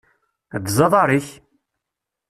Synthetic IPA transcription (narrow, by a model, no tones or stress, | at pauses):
ðzɑðˤɑɾˤiç